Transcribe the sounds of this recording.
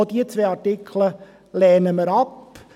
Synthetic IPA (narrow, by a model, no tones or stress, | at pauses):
od̥̪iːət͡sʋeːɑɾtɪkʰlə | lɛːnəməɾɑp